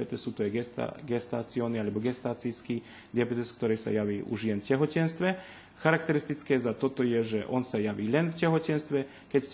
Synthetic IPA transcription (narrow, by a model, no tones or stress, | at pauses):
ɛt̪ɛsuːt̪ɔajt̪ɡɛst̪aːt͡siɔːnialɛbɔɡɛst̪aːt͡sijskiː | d̪ɪabɛt̪ɛskt̪ɔɾɛjsa̰jaʋiːʔṵʒjɛnfcɛɦɔcɛnst̪ʋɛ | xaɾakt̪ɛɾist̪it͡skɛːzat̪ɔt̪ɔjɛʒɛʔɔnsajaʋiːlɛnfcɛɦɔcɛnst̪ʋɛ | kɛc